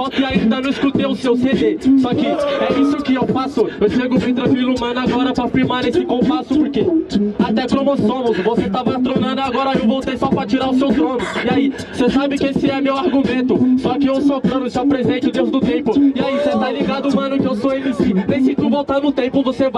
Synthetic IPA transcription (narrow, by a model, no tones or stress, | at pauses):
sɔkɪaĩd̪ɐnʊɪskɾut̪eʊsewsed̪esɔkɪɛisʊkɪewfasʊewʃeɡʊmẽt̪ɾɐvilumɐ̃nʊaɡɔɾɐpɾɐfiɾmaɾesɪkõpasʊpoɾkeat̪ɛkõmɔõmʊsvoset̪avɐat̪ɾonɐ̃nd̪ʊaɡɔɾɐewvowt̪ejsɔpɾɐt͡ʃiɾaɾʊsewt̪ɾõnʊɪai | sesabɪkɪesɪɛmewaɾɡumẽnt̪ʊsɔkɪewsofɾɐ̃nʊɪʃt̪apɾezẽnt͡ʃɪʊd̪ewzd̪ʊt̪ẽpʊɪaiset̪ãliɡad̪ʊumɐ̃nʊkɪewsoelisĩp̪ẽsẽk̪ũvowt̪ɐ̃d̪ʊt̪ẽpʊvoseva